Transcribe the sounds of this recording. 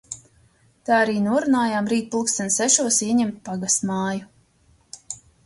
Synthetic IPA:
t̪aːaɾiːnuɔɾunaːjaːmɾiːt̪̚pulˠksɛnsɛʃuɔsiɛɲɛmt̪̚paɡast̪maːju

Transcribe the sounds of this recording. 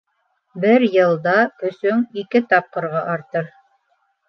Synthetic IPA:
bɘɾjɤ̆lˠd̪ɑɵ̆sɵŋikɘt̪ɑp̚qɤ̆ɾʁɑʔɑɾt̪ɤɾ

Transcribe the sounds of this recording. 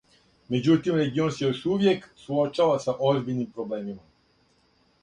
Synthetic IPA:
me̞d͡ʑut̪imɾe̞ɡio̞nsjeuʃuʋje̞ksuot͡ʃaʋasaʔozbiʎnimpɾo̞ble̞ːmima

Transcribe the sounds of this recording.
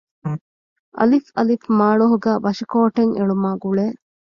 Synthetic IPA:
ʔɐ̰lifɐlifmaːɭoɦuɡæːʋɐʃikoːʈeŋeɭumaːɡuɭeː

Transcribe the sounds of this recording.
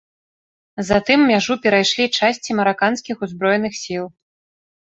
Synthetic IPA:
zat̪ɨmːʲaʐupʲɛɾajʂlʲit͡ʂasʲt͡sʲimɐɾakanskʲixuzbɾɔjnɨxsʲilˠ

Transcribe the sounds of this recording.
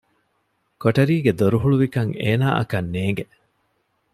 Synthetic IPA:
koʈɐɾiːɡed̪oɾuɦuɭuʋikɐŋeːnaːʔɐ̰kɐnːeːŋɡe

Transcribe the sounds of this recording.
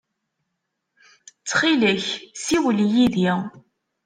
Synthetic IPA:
t͡sːχiləçsiwlijiði

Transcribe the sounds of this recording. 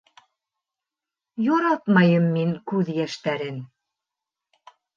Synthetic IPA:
joɾɑt̪mɑjɤmːiŋkʉðjæʃt̪æɾɘn

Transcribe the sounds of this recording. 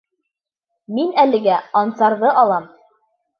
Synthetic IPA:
minælɘ̆ɡæɑnsɑɾðɤʔɑlˠɑm

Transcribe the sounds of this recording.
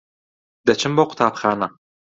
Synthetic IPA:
d̥̪ɐt͡ʃʰɪmboqʷʊ̥t̪ʰaːpχaːnɐ

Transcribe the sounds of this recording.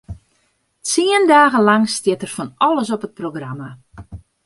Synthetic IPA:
t͡siəndaːɣəlɑŋstjɪtərfɔnɔləsɔpət̚proɡrama

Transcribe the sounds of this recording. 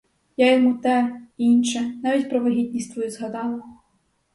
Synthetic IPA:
jajɐmut̪ɛinʃɛnavʲit͡sʲpɾɐʋɐɦʲit̪ʲnʲist̪vɐjuzɣad̪ɑlˠɐ

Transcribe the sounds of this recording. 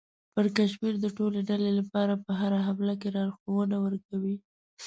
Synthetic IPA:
pəɾkaʃmiɾd̪əʈoleɖalelapɑɾapəɦaɾaɦamlak̬eɾɑɾxowənawəɾkawi

